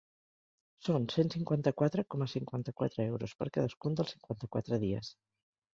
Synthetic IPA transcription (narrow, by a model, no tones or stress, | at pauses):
sonsensiŋkwant̪əkwat̪ɾəkɔməsiŋkwant̪əkwat̪ɾəewɾuspəɾkaðəskund̪əlˠsiŋkwant̪əkwat̪ɾəðiə̰s